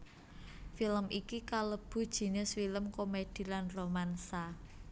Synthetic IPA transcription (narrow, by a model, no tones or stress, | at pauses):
filəmʔikikaləb̥ṳd̥ʒ̥i̤nɪsfiləmkomed̥i̤lanromansa